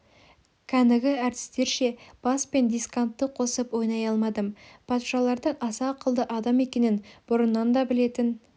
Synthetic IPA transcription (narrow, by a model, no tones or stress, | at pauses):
kʲʰænɪɡʲɪæɾt̪ɪ̥st̪e̞ɾʃe̞b̥ɑspe̞nd̪ijskant̪ːəqʰo̞səpwo̞jnɑjɑlˠmɑd̪əmpʰɑt̪ʃɑlˠɑɾd̪əɴɑsɑqʰəlˠd̪əʔɑd̪ɑme̞kʲe̞nɪnb̥ʊɾənːɑnd̪ɑbɪle̞t̪ɪn